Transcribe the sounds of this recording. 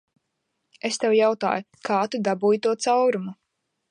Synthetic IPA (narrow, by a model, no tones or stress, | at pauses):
est̪ewjawt̪a̰ːju | kʰaːt̪ud̪abuːjt̪uɔt̪sawɾumu